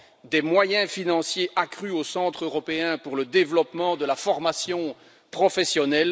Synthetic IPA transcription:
d̪ɛmwajɛ̃finɑ̃sjeʔakχyosɑ̃t̪χøʁɔpeɛ̃puʁləd̪evlɔpmɑ̃d̪əlafɔʁmasjɔ̃ | pχɔfɛsjɔnɛl

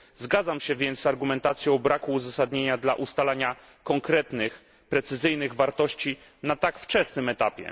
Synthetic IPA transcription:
zɡad̪zamɕɛvʲjɛnt̪aɾɡumɛnt̪at̪sʲjɔ̃wbɾakuːzasad̪ɲeɲad̪laʔust̪alaɲa | kɔŋkɾɛt̪nɘx | pɾɛt̪sɘzɘjnɘɣvaɾt̪ɔɕt͡ɕi | nat̪akft͡ʂɛsnɘmɛt̪apʲjɛ̰

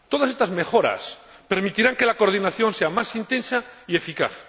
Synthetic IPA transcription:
t̪oð̞as̬est̪azmexoɾa̰s | peɾmit̪iɾaŋke̞lako̞ɾð̞inaθjo̞nseamasint̪ẽ̞nsaie̞fika̰θ

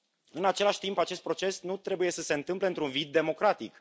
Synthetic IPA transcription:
ɨnat͡ʃe̞laʃʲt̪impat͡ʃe̞st̪̚pɾo̞t͡ʃe̞snut̪ɾe̞buje̞səse̞ɨnt̪ɨmple̞ɨnt̪ɾunvid̪̚ːe̞mo̞kɾat̪ik

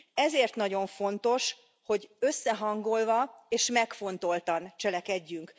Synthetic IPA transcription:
ɛzeːrt̪nɒɟo̞ɱfo̞nt̪o̞ʃ | ho̞ɟø̞sːɛɦɒŋɡo̞lvɒeːʃmɛkfo̞nt̪o̞lt̪ɒnt͡ʃɛlɛkɛɟːyŋk

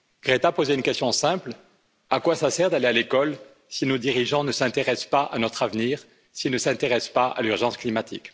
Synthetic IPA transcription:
ɡ̥ʁet̪apozeynkʲɛst̪jɔ̃sɛ̃pl | akwasasɛʁd̪alealekɔl | sinod̪iʁiʒɑ̃nəsɛ̃t̪eʁɛspaʔa̰nɔt̪χavniːʁ | silnəsɛ̃t̪eʁɛspaʔa̰lyʁʒɑ̃sklimat̪ik

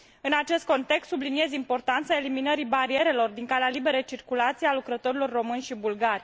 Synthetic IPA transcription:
ɨnat͡ʃe̞st̪̚ko̞nt̪e̞kst̪sublinie̞zimpo̞rt̪ant̪sae̞liminəɾibaɾie̞ɾe̞lo̞rd̪iŋkalealibe̞ɾejt͡ʃirkulat̪siealukɾət̪o̞ɾilo̞rːo̞mɨnʲʃibulɡarʲ

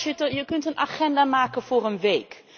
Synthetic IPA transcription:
ətjəkɵntənʔa̰χɛndaːmaːkənvʊːrənʋejk

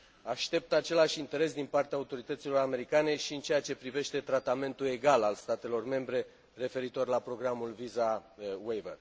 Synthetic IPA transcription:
aʃt̪e̞p̚t̪at͡ʃe̞laʃint̪e̞ɾe̞sd̪inpart̪eaut̪o̞ɾit̪ət̪silo̞ɾame̞ɾikane̞ʃiɨnt͡ʃe̞jat͡ʃe̞pɾive̞ʃt̪e̞t̪ɾat̪ame̞nt̪ule̞ɡalalst̪at̪e̞lo̞rme̞mbɾe̞ | re̞fe̞ɾit̪o̞rlapɾo̞ɡɾamulvizawejvḛr

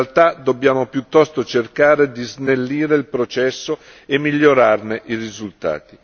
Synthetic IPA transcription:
lt̪ad̪obːjaːmopjut̪ːɔst̪ot͡ʃerkaːɾed̪iznelːiːɾeilpɾot͡ʃɛsːo | emːiʎːoɾarneʔirizult̪a̰ːt̪i

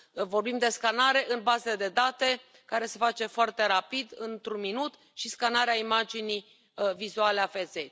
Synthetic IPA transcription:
vo̞rbimd̪e̞skanaɾe̞ʔɨnbazeed̪e̞d̪at̪e̞ | kaɾe̞se̞fat͡ʃe̞foart̪e̞ɾapid̪ɨnt̪ɾunminut̪ | ʃiskanaɾeaimad͡ʒinij | vizualeafe̞ze

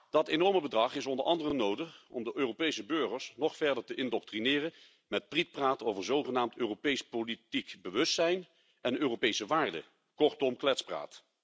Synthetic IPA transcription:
d̥ɑtenɔɹməbədrɑχɪsɔndəɹʔɑ̰ndərənowdəχɔ̰mdəʔøːropejsəbɵɹχəɹsnɔχfɛɹdəɹtəʔɪndɔk̚trinɪːrən | mɛt̚prit̚praːtowvəɹzowχənaːmtøːropejspolitikbəʋɵstsɛjn | ɛnøːrowpejsəʋaːɹdə̰ | kɔɹtɔmklɛtspra̰ːt

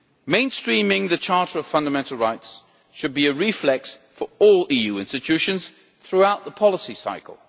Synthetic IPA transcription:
mẽɪ̃nstɹ̥ĩmɪ̃ŋðɨt͡ʃʰɑɹɾə˞ʌv̥fʌ̃ndəmɛ̃ntʰˡl̩ˠɹaɪts | ʃɨd̚biɨɹiflɛksfə˞ɔlˠijʉɪ̃nstɨt͡ʃʰʉʃɨ̃nz̥ | θɹuaʊt̪̚ðəpʰɑlˠəsisa̰ɪkə̰l̩ˠ

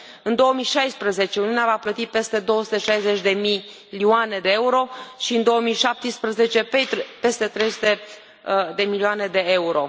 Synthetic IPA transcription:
ɨnd̪o̞omiʃajspɾəze̞t͡ʃe̞uniuneavaplət̪ipe̞st̪e̞d̪o̞oəsu̥t̪e̞ʃajze̞t͡ʃʲd̪e̞mi | lioane̞d̪eeuɾo̞ʃiɨnd̪o̞oəmiʃap̚t̪ispɾəze̞t͡ʃe̞pet̪pe̞st̪e̞t̪ɾe̞jsut̪e | d̪e̞milioaned̪e̞euɾo̞̰

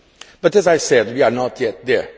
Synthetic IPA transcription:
b̥ʌtɛzajsɛd̚wiaɹnɔtʰjɛt̪̚ðɛ˞

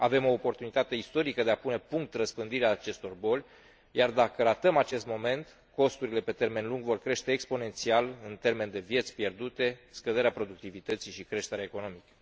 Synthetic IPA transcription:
ave̞mo̞ːpo̞rt̪unit̪at̪e̞ist̪o̞ɾikəd̪e̞apune̞puŋk̚t̪rəspɨnd̪iɾeaːt͡ʃe̞st̪o̞rbo̞lʲ | jard̪akəɾat̪əmat͡ʃe̞st̪mo̞me̞nt̪ | ko̞st̪uɾile̞pe̞t̪e̞rme̞nluŋɡvo̞rkɾe̞ʃt̪e̞ːkspo̞ne̞nt̪sialɨnt̪e̞rme̞nd̪e̞vje̞t̪sʲpje̞rd̪ut̪e̞skəd̪e̞ɾeapɾo̞d̪uk̚t̪ivit̪ət̪siʃikɾe̞ʃt̪eɾeaeko̞no̞mikə̥

